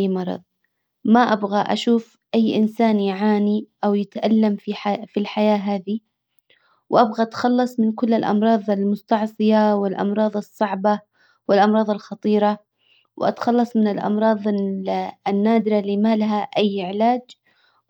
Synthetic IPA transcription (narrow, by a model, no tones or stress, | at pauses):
mɑɾˤɑ̰ðˤ | maʔabɣaʔa̰ʃuːf | ʔajːʔɪnsaːnjʊʕaːniʔawjɪt̪ʔalːamfifilħajaːɦaːði | wʔabɣaʔat̪xɑlːɑsˤmɪnkʊlːalʔɑ̰mɾˤɑːðˤɪlmʊst̪ɑʕsˤɨjawɪlʔɑ̰mɾˤɑːðˤɨsˤːɑʕba | wɪlʔɑmɾˤɑːðˤɪlxɑt̪ˤiːɾa | wʔa̰t̪xɑlːɑsˤmɪnɪlʔɑ̰mɾˤɑːðˤ | nːaːd̪ɪɾalimalɦaʔajːʔɪʕɪlaːd͡ʒ